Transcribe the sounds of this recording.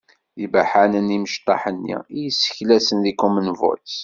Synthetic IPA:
jəbaħanəniməʃt̪ˤːɑ̰ħənːḭijəsːə̥çlæsənðikumənvɔ̰t̪

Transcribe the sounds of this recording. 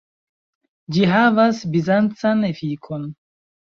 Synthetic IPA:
d͡ʒiɦavasbizant͡sanefikʰo̞n

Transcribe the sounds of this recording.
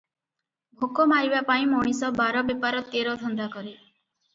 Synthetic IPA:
bʱokɔmaɾibapaĩmɔɽ̃isɔbaɾɔbepaɾɔt̪eɾɔd̪ʱɔnd̪akɔɾe

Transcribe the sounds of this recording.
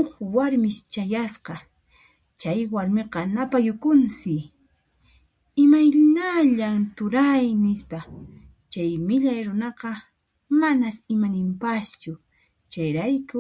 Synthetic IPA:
oχwaɾmɪst͡ʃajasqɑ | t͡ʃajwaɾmeqɑnapajʊkʊnsɪ | ɪmajnaʎamt̪ʊɾajnɪspa | t͡ʃajmɪʎajɾʊnɑqɑ | manasɪmanɪmpast͡ʃʊ | t͡ʃajɾajkʊ

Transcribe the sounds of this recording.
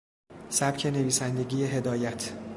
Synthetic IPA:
sæb̥cʰe̞ne̞viːsænd̪e̞ɡiːjeɦe̞d̪ɒːjæt̪ʰ

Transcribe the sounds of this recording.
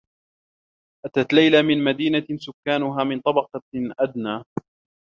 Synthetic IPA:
ʔat̪at̪lajlamɪnmad̪iːnasʊkːaːnʊɦaːmɪnt̪ˤɑbɑqɑʔad̪naː

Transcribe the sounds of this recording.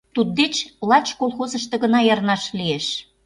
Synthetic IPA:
t̪ud̪̚d̪et͡ɕlɑt͡ɕkolˠxozəʃt̪ɤ̆ɣə̆nɑjɑrnɑʃlieʃ

